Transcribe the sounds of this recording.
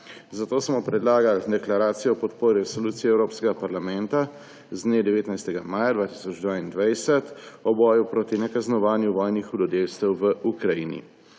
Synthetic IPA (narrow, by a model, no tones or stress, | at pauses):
zat̪oːsmɔpɾɛd̪laːɡald̪ɛklaɾaːt̪sijɔːpɔt̪poːɾiɾɛsoluːt̪sijɛwɾoːpskɛɡapaɾlamɛnt̪a | zd̪neːd̪ɛʋeːt̪najst̪ɛɡamaːjad̪ʋaːt̪i̥ːsɔd͡ʒd̪ʋaːind̪ʋajsɛt̪ɔbɔːjupɾoːt̪inɛkaznɔʋaːnjuʋɔːjnixud̪ɔd̪ewst̪ɛwʋəʔukɾajinḭ